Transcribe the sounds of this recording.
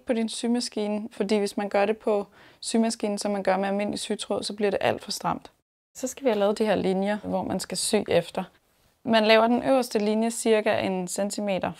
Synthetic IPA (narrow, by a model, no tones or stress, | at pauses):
pʰɒ̽d̥insymæsɡ̥iːnəfɒ̽d̥ḭːʋe̝smænɡ̥ɶɐɾe̝pʰɒ̽ | symæsɡ̥ḭːn̩sɒ̽mːænɡ̥ɶɐmeælme̝n̰lisyt͡sʰʁo̰sɒ̽b̥liɐɾe̝ʔæl̰d̥fɒ̽sd̥ʁɑ̈m̰d̥ | sɒ̽sɡ̥æʋihælɛːðˠd̥ihe̝ɐlinjɐʋɒmænsɡ̥æsy̰ːefd̥ɐ | mænlɛːʊɐd̥enʔøʊɐsd̥əlinjəsiɐɡ̥æʔe̝nsent͡sʰime̝̰ːd̥ɐ